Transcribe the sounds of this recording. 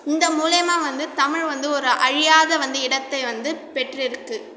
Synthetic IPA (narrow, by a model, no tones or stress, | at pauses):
ɪnd̪ɐmuːlɐjmãːʋɐnd̪ɯt̪ɐmɪɻʋɐnd̪ɯɔɾɯʔɐɻɪjaːðɐʋɐnd̪ɯɪɽɐt̪ːɐɪʋɐnd̪ɯpɛʈrɪɾɯkːɯ